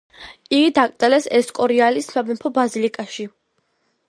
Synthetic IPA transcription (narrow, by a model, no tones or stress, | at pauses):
iɡid̪akʼt̪ʼɛlɛsɛskʼɔɾialisabɛmpʰɔbazilikʼaʃi